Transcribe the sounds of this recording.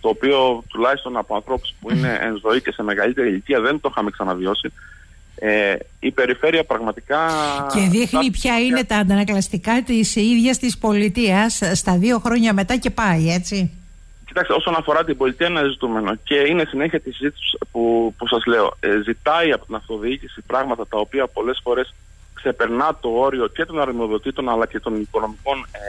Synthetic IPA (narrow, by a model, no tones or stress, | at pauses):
t̪o̞ːpio̞t̪ulɐçist̪o̞nɐpoɐnθɾo̞pu̥spuine̞ʔḛnzo̞ice̞se̞me̞ɣɐlit̪e̞ɾilit̪iɐðe̞nt̪o̞xɐmeksɐnɐvio̞si | eipe̞ɾife̞ɾiɐpɾɐɣmɐt̪ikɐce̞ðixnipçɐine̞t̪ɐːnd̪ɐnɐklɐst̪ikɐt̪isiðʝɐst̪ispo̞lit̪iɐsːt̪ɐðio̞xɾo̞ɲɐme̞t̪ɐce̞pɐie̞t͡si | cit̪ɐkseo̞so̞nɐfo̞ɾɐt̪ibo̞lit̪iɐenɐzit̪ume̞no̞ce̞ine̞sine̞çiɐt̪isizit̪ispupusɐzle̞o̞̰zit̪ɐiɐpo̞t̪inɐft̪o̞ðiicisipɾɐɣmɐt̪ɐt̪ɐopiɐpo̞le̞sfo̞ɾe̞s | kse̞pe̞ɾnɐt̪o̞o̞ɾio̞ce̞t̪o̞nɐɾmoðo̞t̪it̪o̞nɐlɐce̞t̪o̞niko̞no̞miko̞n